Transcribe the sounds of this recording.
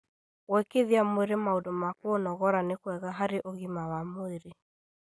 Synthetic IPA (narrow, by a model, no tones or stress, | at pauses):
wɛkeðiamoeɾemaodɔmakoonɔɣɔɾanekwɛɣaɦaɾeʔoɣimawamoeɾe